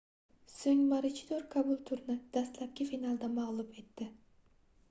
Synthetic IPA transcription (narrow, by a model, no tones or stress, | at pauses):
sɵŋʲmaɾɪt͡ʃʰɪ̥d̪oɾkʰabʊlˠt̪ʰʊɾnɪd̪̥ast̪lap̚kʲɪfinalˠd̪amaʁlˠʊpe̞t̪ːɪ